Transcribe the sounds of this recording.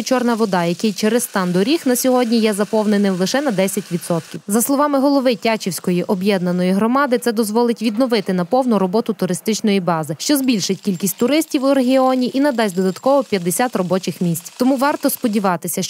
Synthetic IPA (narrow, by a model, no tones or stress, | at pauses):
t͡ʃɔrnɐʋɔd̪ɑjɐkɪjt͡ʃeɾest̪ɑnd̪ɔɾʲixnɐsʲɔɦɔdʲnʲijɛzɐpɔwnenɪlˠɪʃɛnɐd̪ɛsʲɐtʲʋʲid̪sɔt̪kʲiwzɐslˠɔʋɑmɪɦɔlˠɔʋɪtʲat͡ʃiwsʲkɔjiʔɔbjɛd̪nɐnɔjiɦɾɔmɑd̪ɪt̪sɛd̪ɔzʋɔlˠɪtʲʋʲid̪nɔʋɪt̪ɪnɐpɔwnʊɾɔbɔt̪ʊt̪ʊɾɪst̪ɪt͡ʃnɔjibɑzɪʃt͡ʃɔzbʲilʲʃɪtʲkʲilʲkʲisʲtʲt̪ʊɾɪsʲtʲiwʊɾeɦʲiɔnʲiʔinɐd̪ɑsʲd̪ɔd̪ɐt̪kɔʋɔpʲjɐd̪ːesʲat̪rɔbɔt͡ʃɪxmʲisʲt͡sʲt̪ɔmuʋɑrt̪ɔspɔdʲiʋɑt̪ɪsʲɐ